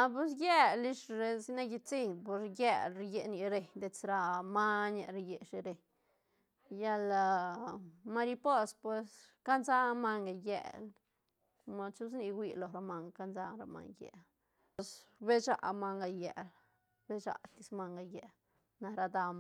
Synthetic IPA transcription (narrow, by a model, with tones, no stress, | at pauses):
a˧p̬u˧s̬je˦li˦ʂɾe˧si˦na˦ɡi˧t͡si˦npo˧ɾje˦˧lɾi˧je˧ni˧ɾe˧ɲd̪e˧t͡sɾa˧ma˦na˧ɾa˧je˧ʂi˧ɾe˨ɲ | ja˦˧la˧ | ma˧ɾi˧po˦spwe˧s | ka˦nza˦ma˧ŋɡa˨jḛ˧˨l | ma˧t͡ʃu˦s̬ni˧wʷi˧lo˨ɾa˧ma˧ŋɡka˦nza˧ɾa̰˧ma̰˧ŋjḛ˨l | sbe˦t͡ʃa̰˨ʔma˧ŋɡa˧je˨l | be˦t͡ʃa̰˧˨t̪i˧sma˧ŋɡa˧je˨ | na˧ɾa˧d̪a˧